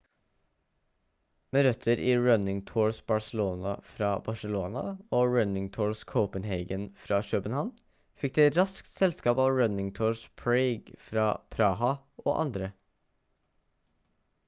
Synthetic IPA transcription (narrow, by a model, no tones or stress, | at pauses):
meːɾœt̪ʰːəɾʔiːɹœnɪŋt̪ʰoːɹsbɑɹsəloːnɑ̰fɾɑːbɑʂəloːnɑ̰oːɹœnɪŋt̪ʰoːɹskʰɔʊpənɦeɪɡənfɾɑːʃøːpənhɑn | fɪk̚d̪ɛt̪ɾɑskt̪sɛlskɑːpɑːʋɹœnɪŋt̪ʰoːɹspʰɹɛɪɡfɾɑːpʰɾɑhɑ | ʔo̰ːʔɑ̰nd̪ɾə